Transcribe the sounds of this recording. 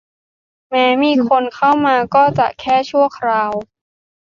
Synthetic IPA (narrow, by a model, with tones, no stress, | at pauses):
mɛː˦˥miː˧kʰo˧nkʰa˥˩wmaː˧kɔː˥˩t͡ɕa̰˨˩ʔkʰɛː˥˩t͡ɕʰu˥˩əkʰɾaː˧w